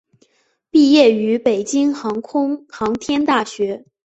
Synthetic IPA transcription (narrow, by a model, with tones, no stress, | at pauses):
pi˥˧jɛ˥˩y˧˥pe˨˩ɪt͡ɕi˥ŋxɑ˧˥ŋkʰʊ˥ŋxɑ˧˥ŋt̪ʰjɛ˥nt̪a˥˩ɕɥɛ˧˥